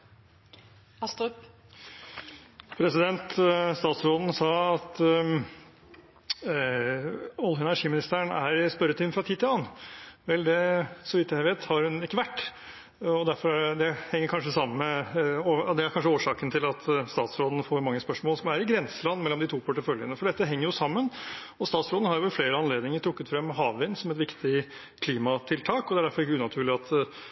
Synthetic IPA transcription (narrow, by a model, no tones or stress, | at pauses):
ɑst̪ | pʰɾɛsɪd̪ɛnt̪st̪ɑːt̪sɾoːd̪n̩sɑːɑt̪ | ɔlːəɛnæɾʂiːmɪnɪst̪əəɳæɾɪspœɾːət̪ʰɪːnfɾɑt̪ʰiːd̪t̪ʰɪlɑːnʋɛld̪ɛsɔʋiːt̪ːjæɪʋeːt̪hɑɾhʉnɪkːəʋæʈː | ɔd̪æɾfɔɾd̪ɛhɛŋːəɾkʰɑnʂəsɑmːənmɛoːd̪ɛæɾkʰɑnʂ̬əoːʂɑːkənt̪ʰɪlɑt̪ʰst̪ɑːt̪sɾoːd̪n̩foːɾmɑŋːəspœʂmoːlsɔmʋæːɾəɾɪɡɾɛnsəlɑnːmɛlːɔmd̪ɪt̪ʰuːpʰʊʈːɪfœljənəfɔɖɛt̪ːəɦɛŋːəɾjʊsɑmːənɔst̪ɑːt̪sɾoːd̪n̩hɑɾjʊʋɛlfleːɾəɑnleːd̪nɪŋəʈ̪ʰɾʊkːət̪fɾɛmːɦɑːʋɪnsɔmɛt̪ʋɪkt̪ʰɪ | kʰliːmɑt̪ʰɪlt̪ʰɑːkɔd̪ɛæɖæɾfɔɾɪkːəʉːnɑt̪ʰʉːɭɪɑt̪